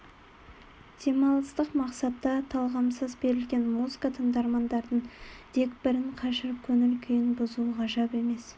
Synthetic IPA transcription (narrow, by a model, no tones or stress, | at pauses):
d̪̥e̞mɑlˠəst̪əqmɑqsɑt̪ːɑt̪ʰɑlˠʁɑmsəzbe̞ɾɪlɡʲe̞nmuzɨkɑt̪ʰəɴd̪ɑɾmɑnd̪ɑɾd̪əɴt̪ʰe̞kbɪɾɪɴqʰɑʒɪɾkʲʰɵŋɪlkʲʰejɪnbʊzuʁɑʒɑpe̞me̞s